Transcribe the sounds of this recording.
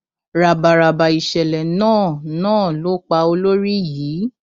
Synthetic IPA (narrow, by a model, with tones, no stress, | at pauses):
ɾa˨ba˨ɾa˨ba˨i˨ʃɛ˨lɛ˨nãː˦˨nãː˦˨lo˨˦k͡pa˧o˧lo˦ɾi˦jiː˨˦